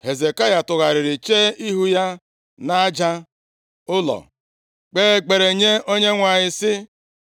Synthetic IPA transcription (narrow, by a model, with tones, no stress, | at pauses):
he˨ze˨ka˦ja˨tʊ˨ɣa˨ɾɪ˨ɾɪ˨t͡ʃe˦i˦ɦu˦ja˦ | na˦d͡ʒa˦ | ʊ˦lɔ̰˨ | k͡peː˦˨ɡ͡be˨ɾe˨ɲe˦o˦ɲe˦ŋʷa˨ɲɪ˦sɪ˦